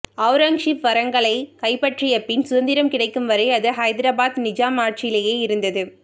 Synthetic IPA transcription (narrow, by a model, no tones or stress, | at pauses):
ɐʊɾaːŋʂipʋɐɾɐŋɡɐɭɐɪkɐɪpːɐʈrɪjɐpːɪnsʊðɐnd̪ɪɾɐmkɪɽɐɪkːɯmʋɐɾɐɪɐðɯɦɐjɪðɪɾɐbaːt̪nɪd͡ʒaːmaːʈ̚t͡ʃɪjɪleːjeːɪɾɯnd̪ɐðɯ